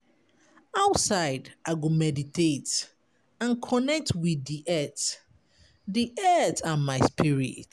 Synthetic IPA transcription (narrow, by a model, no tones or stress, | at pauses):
aʊtsaɪdaɪɡomɛditʰet | ãnkʰɔnɛk̚tʰwiðːiʔɛt | diʔɛtamaɪspʰiɹḭt